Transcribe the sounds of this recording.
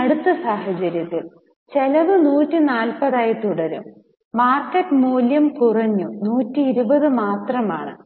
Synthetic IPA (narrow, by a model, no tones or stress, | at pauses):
ɐɽut̪ːɐsaːɦɐt͡ɕɐɾjɐt̪ːil | t͡ɕelɐʋɨnuːtːinaːlpɐðaːjɐt̪uɽɐɾṵmː | aːrkɐʈːmuːljɐmkurɐɲːunuːtːiiɾubɐðɨmaːt̪rɐmaːɳɨ̰